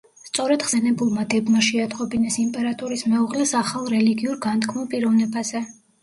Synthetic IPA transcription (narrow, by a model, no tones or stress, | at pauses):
st̪sʼɔɾɛd̪̥ʁz̥ɛnɛbulˠmad̪ɛbmaʃɛad̪ʼqʼɔbinɛsimpʼɛɾat̪ʼuɾismɛuʁlɛsaχalˠɾɛliɡiuɾɡant̪ʰkʰmɔpʼiɾɔvnɛbazɛ